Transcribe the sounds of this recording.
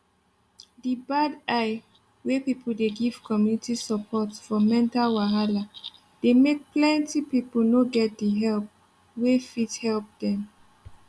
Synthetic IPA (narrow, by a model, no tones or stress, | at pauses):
dibadaɪ | wepipʰl̩deɡiv̥kʰɔmjunitisəpʰɔtfɔmɛ̃ntalwaɦala | d̥emek̚plɛ̃ntipipəl̩noɡɛt̚diɦɛlp̚ | wefithɛlp̚dɛ̃m